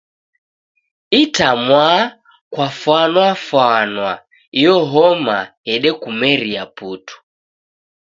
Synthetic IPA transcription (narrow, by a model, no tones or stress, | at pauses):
itamwa | kwafwanwafwanwa | ijɔɦɔmahɛɗɛkumɛɾiaputu̥